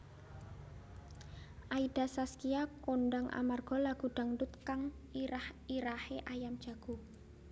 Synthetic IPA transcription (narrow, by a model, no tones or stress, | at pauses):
ʔaid̥a̤saskijakoɳɖaŋʔa̰marɡ̥ɔ̤laɡ̥ṳɖ̥a̤ŋdʊt̪kaŋ | aiɾaheʔajamd̥d͡ʒ̥a̤ɡ̥o̤